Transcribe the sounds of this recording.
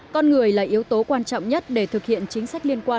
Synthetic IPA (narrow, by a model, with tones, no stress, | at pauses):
kɔ˧nŋɨ˨˩əjla̰ː˨˩jʔi˨˦ət̪o˨˦kwaː˧nt͡ɕɔ̰˧˨wŋ͡mɲə˦˥t̚ɗe˧˩t̪ʰɨ˨˩k̚hḭ˧˨ənt͡ɕï˨˦ŋ̟sa˦˥k̟̚li˧ənkwaː˧